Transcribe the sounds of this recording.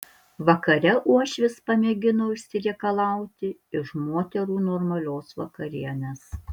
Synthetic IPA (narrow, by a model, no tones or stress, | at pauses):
ʋɐkɐɾʲɛʔuɔʃʲʋʲɪspɐmʲeːɡʲɪnoːɪʃʲsʲɪɾʲɛːkɐlˠɑˑʊt̪ʲɪɪʃmoːt̪ʲɛɾuːnoːɾmɐlʲoːsʋɐkɐɾʲiɛnʲes